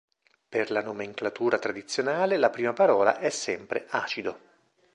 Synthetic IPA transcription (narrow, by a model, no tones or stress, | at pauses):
perlanomeŋklat̪uːɾat̪ɾad̪it̪sːjonaːlelapɾiːmapaɾɔːla̰ʔɛsːɛmpɾeaːt͡ʃid̪o